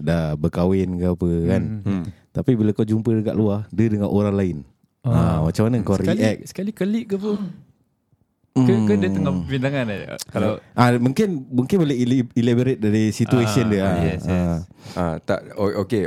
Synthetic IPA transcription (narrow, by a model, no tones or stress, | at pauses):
dabəkawɪnkapəkant̪apibilawkawd͡ʒumpədəka̰ʔluahdədəŋanʔoɾaŋlaɪn | amat͡ʃamanaŋkawɾiʔɛk̚sə̥kalikəliʔɡəpu | kəkədət̪əŋɔvindaŋanakalaʔamuŋkɪnmuŋkɪnboleilabəɾet̪̚daɾisit̪uesiəndəaɛa | at̪a̰ʔooke